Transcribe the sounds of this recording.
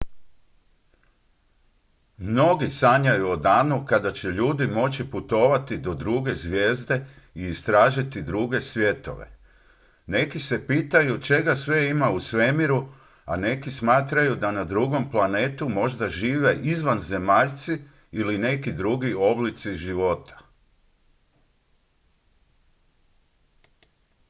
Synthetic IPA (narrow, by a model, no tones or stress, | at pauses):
mno̞ɡisaɲajuo̞d̪aːnukad̪at͡ɕeʎuːd̪imo̞t͡ɕiput̪o̞ʋat̪id̪o̞d̪ɾuɡe̞zʋje̞ːzd̪e̞ | iːst̪ɾaːʒit̪id̪ɾuɡe̞sʋje̞t̪o̞̰ʋe̞̰ | ne̞kise̞piːt̪ajut͡ʃe̞ɡasʋe̞imausʋe̞miɾu | a̰ne̞kismaːt̪ɾajud̪anad̪ɾuɡo̞mplane̞ːt̪umo̞ʒd̪aʒiːʋeʔizʋanze̞maʎt̪siː | line̞kid̪ɾuɡio̞blit̪siʒiʋo̞t̪ḁ